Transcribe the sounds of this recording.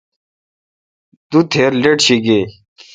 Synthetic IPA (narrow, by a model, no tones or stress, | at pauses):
d̪ut̪ʰeːɾleʈɕiɡe